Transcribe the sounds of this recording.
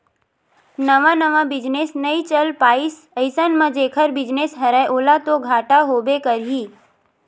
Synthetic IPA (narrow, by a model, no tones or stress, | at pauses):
nəʋãnəʋãbɪd͡ʒnesnəĩt͡ʃəlpaːis | əɪsənmə̃d͡ʒeːkʰəɾbɪd͡ʒnesɦəɾɛʔoːlat̪oɡʱaːʈaɦoːbekəɾɦiː